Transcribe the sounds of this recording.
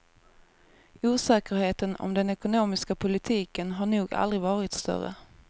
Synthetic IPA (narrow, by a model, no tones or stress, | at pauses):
uːsɛːkəɾheːt̪ənɔ̰md̪ɛnɛkʊnoːmɪskapʰʊlɪt̪ʰiːkənɦaɳuːɡa̰ld̪ɾɪɡvɑːɾɪt̪st̪œ̰ɾə̰